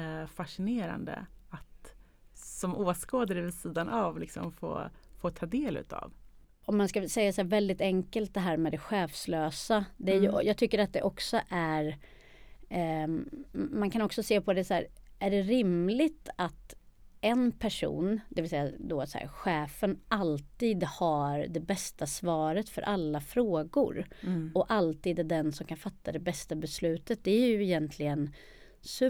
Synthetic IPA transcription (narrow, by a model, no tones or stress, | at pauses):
faʂɪneːɾa̰nd̪ə̰at̪ | sɔmoːskoːd̪aɾɛvɪsiːd̪anavlɪksɔ̰mfo̰ːfoːt̪ʰɑːd̪eːlʉ̟̰ːt̪ʰa̰v | ɔmːanskasɛjːasæːvɛld̪ɪt̪ɛŋkəlt̪̚d̪ɛɦæːɾmɛd̪ɛɧɛːfsløːsad̪ɛæɾjjɑːɡ̚t̪ʰʏkːəɾat̪̚d̪ɛʔɔksɔʔæɾ | mankʰanɔksɔseːpʰɔd̪ɛsæ̰ːɾæɖɛɾɪmlɪt̪at̪ | ɛnpʰæʂṵːnd̪ɛvɪsɛjːad̪ɔsæ̰ɾɧɛːfənʔalt̪iːd̪haɾd̪ɛbɛst̪asvɑːɾət̪fœ̰ɾʔalːafɾoːɡʊ̰ɾɔʔalt̪iːd̪æɖɛnsɔmkʰanfat̪ːad̪ɛbɛst̪abɛslʉ̟ːt̪ət̪̚d̪ɛæɾjɵɪjɛnt̪ʰlɪɡən | sʉ